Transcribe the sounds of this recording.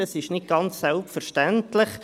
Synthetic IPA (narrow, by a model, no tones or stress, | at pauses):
ɑsɪʃnɪt̚ɡ̥ɑnt͡ssɛlpfəɾʃtæntlɪχ